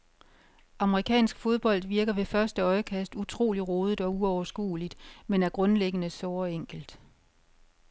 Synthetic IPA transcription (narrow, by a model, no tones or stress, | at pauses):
ʔɑ̈məʁikʰɛ̰ːnsɡ̥fo̝ð̞ˠb̥ɒ̽l̰d̥ʋiɐɡ̥ɐʋe̝fɶɐsd̥əɒ̽ɪkʰæsd̥ut͡sʰʁo̝̰ːliʁo̝ːð̞ˠd̥ɒ̽uɒʊɐsɡ̥ṵːlid̥menæɐɡ̥ʁɔ̽nleɡ̥ənəsɒːɒeŋ̰ɡ̥l̩d̥